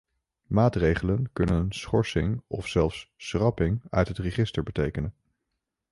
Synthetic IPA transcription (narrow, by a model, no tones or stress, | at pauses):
maːtrejχələnkɵnənnsχɔɹsɪŋɔ̰fsɛlˠfssrɑpɪŋœ̰ɥtɦətrəχɪstəɹbətejkənən